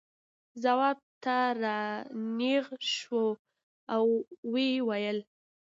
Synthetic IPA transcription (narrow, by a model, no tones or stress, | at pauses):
zawɑb̚t̪aɾɑneɣʃwo | awːewajəl